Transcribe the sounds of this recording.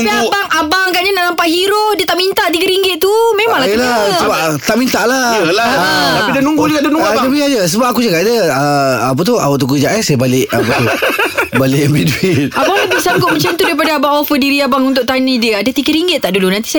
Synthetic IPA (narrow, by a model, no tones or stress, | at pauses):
iabaŋabaɡaʔɲanaʔnampaʔhiɾodiət̪aʔmint̪aʔt̪iɡəɾiŋɡɪt̪̚t̪ːumẽmaŋlajlasəba | t̪aʔmint̪aʔlalat̪aidənuŋɡuiadənuɡdəbiad͡ʒəs̬əbap̚akud͡ʒəkaʔdəəap̬ət̪ua̰woʔt̪ukəd͡ʒaʔasajabalɪʔapət̪ubalɪʔmbiduiʔabaŋlabisaŋɡʊʔ̚mə̃ɲt͡ʃamt̪udaɾipadaabaŋofədiɾiabaŋunt̪ʊʔ̚t̪anidiəadət̪iɡəɾiŋɡɪt̪̚ːaʔdulunãnt̪i̥s